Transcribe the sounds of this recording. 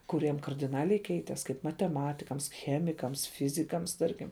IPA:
kʊˈrʲiɛm kɐrʲdʲɪˈnɑːlʲɛɪ ˈkʲɛɪtʲɛs kɐɪp mɐtʲɛˈmɑːtʲɪkɐms ˈxʲæːmʲɪkɐms ˈfʲɪzʲɪkɐms ˈtɐrʲkʲɪm

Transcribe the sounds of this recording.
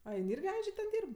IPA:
ɐ ˈjɪn ˈɪrʲɡʲɪ ˈɐnʲd͡ʒʲɛ tʲɛn ˈdʲiːrp

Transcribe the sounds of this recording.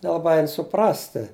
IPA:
nʲɛlˠɐˈbɐɪ ˈɛɪn sʊˈprɑːsʲtʲɪ

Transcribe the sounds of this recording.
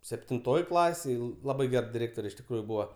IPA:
sʲɛpʲtʲɪnˈtoːj ˈklˠɑːsʲeːj ˈlˠɑːbɐɪ ˈɡʲɛr dʲɪˈrʲeːktoːrʲɛ ɪʃ tʲɪkˈruːjʊ ˈbuːʋɐ

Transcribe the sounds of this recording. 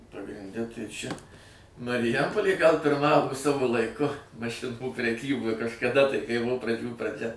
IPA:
pɐɡrʲɪnʲˈdʲɛ tɐɪ ˈt͡ʃʲɛ mɐrʲɪˈjɛmpoːlʲeː ɡɐlˠ pʲɪrˈmɑːʋoː ˈsɑːʋoː lˠɐɪˈkʊ mɐˈʃʲɪnuː pʲrʲɛˈkʲiːboːj kɐʃkɐˈdɐ tɐɪ kɐɪ ˈbʊʋoː prɐˈd͡ʒʲuː prɐˈd͡ʒʲɛ

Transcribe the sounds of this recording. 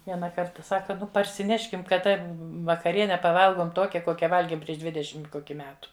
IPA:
ˈʋʲiɛnɐ ˈkɐrtɐ ˈsɑːkɐ ˈnʊ pɐrʲsʲɪˈnʲæːʃʲkʲɪm kɐˈdɐ ʋɐkɐˈrʲiɛnʲɛ pɐˈʋɐlˠɡoːm ˈtoːkʲɛ ˈkoːkʲɛ ˈʋɐlʲɡʲeːm pʲrʲiɛʃ ˈdʲʋʲɪdʲɛʃʲɪm ˈkoːkʲɪ ˈmʲæːtʊ

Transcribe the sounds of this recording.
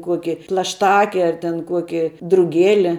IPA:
ˈkuɔkʲɪ plˠɐʃˈtɑːkʲɛ ɐr tʲɛn ˈkuɔkʲɪ drʊˈɡʲeːlʲɪ

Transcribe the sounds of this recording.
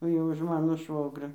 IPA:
jɛʊ ʊʃ ˈmɑːnoː ˈʃʋoːɡrʲoː

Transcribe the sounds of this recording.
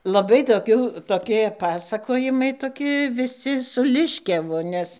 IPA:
lˠɐˈbɐɪ toːˈkʲuː toːˈkʲiɛ ˈpɑːsɐkoːjɪmɐɪ ˈtoːkʲɪ ʋʲɪˈsʲɪ sʊ ˈlʲɪʃʲkʲɛʋʊ ˈnʲɛs

